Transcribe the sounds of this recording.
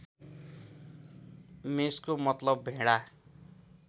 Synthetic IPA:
meskomʌt̪lʌbːʱẽɽa

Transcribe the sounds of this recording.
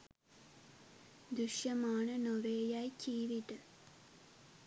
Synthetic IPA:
d̪uʃjɐmaːɳɐnoʋeːjajkʰiːʋiʈɐ

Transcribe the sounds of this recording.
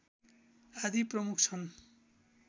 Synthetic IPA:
ad̪ʱiprʌmuk̚ʰt͡sʰʌn

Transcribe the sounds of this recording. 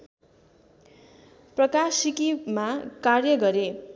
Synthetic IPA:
prʌkasikimakarjʌɡʌɾe

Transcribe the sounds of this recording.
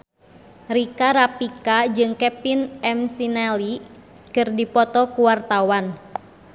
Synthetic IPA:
rikaɾapikad͡ʒɨŋkɛpinɛmsinali | kɨrdipɔt̪ɔkuwart̪awan

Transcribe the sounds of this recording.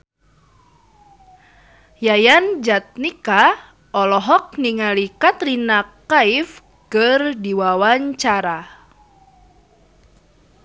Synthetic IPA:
jajand͡ʒat̪̚nika | ɔlɔɦɔk̚niŋalikat̪rinakaif | kərdiwawaɲt͡ʃaɾa

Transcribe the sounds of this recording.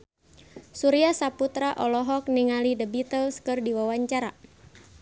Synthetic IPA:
suɾiasaput̪ɾaʔɔlɔɦɔk̚niŋalidəbit̪əlskɨrdiwawaɲt͡ʃaɾa

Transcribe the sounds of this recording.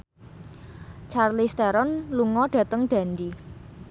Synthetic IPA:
t͡ʃarlist̪ɛɾɔnluŋɔɖ̥ä̤t̪əŋɖ̥ä̤nd̪i

